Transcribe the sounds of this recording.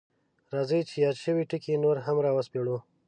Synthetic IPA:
ɾɑzəjt͡ʃejɑd̪ʃəwiʈikinoɾɦamɾɑwəspeɽu

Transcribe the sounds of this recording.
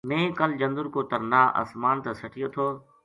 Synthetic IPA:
mẽːkəld͡ʒɐ̃nd̪ʊɾkoːt̪ɐɾnaːʔɐ̰smaːnt̪ɐsɐʈʰijot̪ʰoː

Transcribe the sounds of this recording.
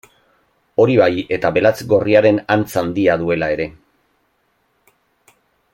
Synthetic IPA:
o̞ɾiβaje̞t̪aβe̞lat͡sɡo̞riaɾe̞nant͡sand̪iaðue̞lae̞ɾe̞

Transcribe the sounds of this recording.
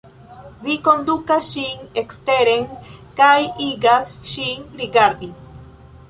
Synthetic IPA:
vikond̪ukasʃiŋekst̪eɾeŋkajiɡasʃiŋɾiɡaɾd̪i

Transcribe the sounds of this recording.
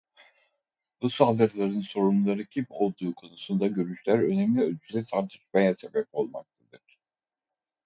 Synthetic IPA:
busalˠɯɾlˠaɾɯnso̞ɾumlˠaɾɯcʰebio̞lˠd̪uːkʰo̞nusund̪aɟø̞ɾyʃlʲæɾø̞nemlʲiølʲd͡ʒʰyzɛsʰaɾt̪ʰɯʃmajasebɛpo̞lˠma̰k̚t̪ʰad̪ɯɾ̥

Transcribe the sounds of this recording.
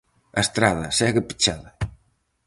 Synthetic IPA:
ast̪ɾaðɐsɛɣəpi̥t͡ʃaðɐ

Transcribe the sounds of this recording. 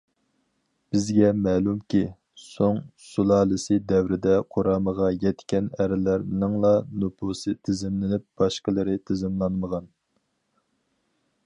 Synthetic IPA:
b̥ɪzɡʲɛmɛːlˠumkʲi | soŋsulˠɑːlˠɨsɨd̪ɛwɾɪd̪ɛqʰoɾɑːməʁɑjɛt̪kʲɛnæɾɪlæɾnɪŋlˠɑnupʰusɨt̪ʰɪzɪmlɪnɪp̚b̥ɑʃqəlˠɨɾɪt̪ʰɪzɪmlˠɑnməʁɑn

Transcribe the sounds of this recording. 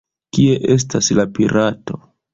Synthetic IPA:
kie̞ʔes̬taslapiɾʔato̞

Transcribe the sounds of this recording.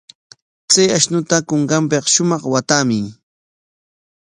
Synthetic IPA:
t͡sajaʃnʊt̪akoɴɢɑmpeqʃʊmɑχwat̪aːmɪŋ

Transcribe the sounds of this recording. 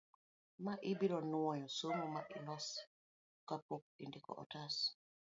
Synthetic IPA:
maʔibiɾɔnuwɔjɔsomumaʔilɔs | kapok̚indikɔ̰ʔɔ̰tas

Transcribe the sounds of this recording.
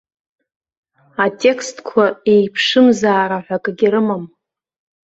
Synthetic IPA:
atʼe̞kʰstʰkʷʰae̞jpʰʂɨmzaːɾaħʷakʼaɡʲiɾɨmam

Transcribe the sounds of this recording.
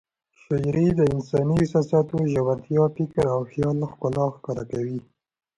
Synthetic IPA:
xɪjɾed̪əɪnsɑniɪsɑsɑt̪oʒawaɾt̪jɑfɪkɾawxjɑlxkʊlɑxkɑɾakawi

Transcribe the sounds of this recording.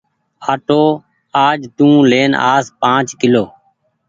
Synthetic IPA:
aːʈoː | aːd͡ʒt̪ũːleːna̰ːspãːt͡ʃkɪloː

